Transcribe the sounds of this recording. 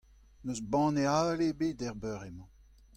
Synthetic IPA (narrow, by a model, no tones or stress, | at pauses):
nøsbɑ̃nealebedɛʁbœʁemɑ̃